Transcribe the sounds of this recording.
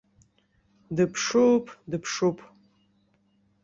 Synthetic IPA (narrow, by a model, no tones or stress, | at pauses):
dɨpʰʂupʰʼdɨpʰʂupʰʼ